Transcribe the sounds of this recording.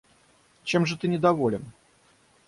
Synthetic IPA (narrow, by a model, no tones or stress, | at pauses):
t͡ɕɛmʐɨt̪ɨnʲɪd̪avɔlʲɪn